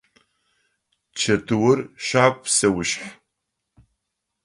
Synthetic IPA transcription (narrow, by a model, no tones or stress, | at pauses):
t͡ʃʰɐtʰɨwʊrʃʷapʰʼsɐwʊʃħ